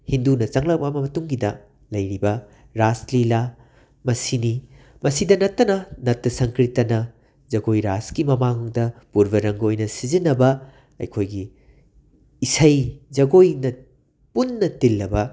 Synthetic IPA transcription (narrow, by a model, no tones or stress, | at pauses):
hindunɐt͡ʃɐŋlɐk̚pɐmɐmɐtuŋɡidɐ | lɐjɾibɐ | ɾaslila | mɐsini | mɐsidɐnɐtːɐnɐnɐtːɐsɐŋkɾitːɐnɐ | zɐɡojɾaskimɐmaŋdɐpuɾbɐɾɐŋɡojnɐsizinːɐbɐ | ɐ̰jkʰojɡi | sɐjd͡ʒɐɡojnɐ | punːɐtilːɐbɐ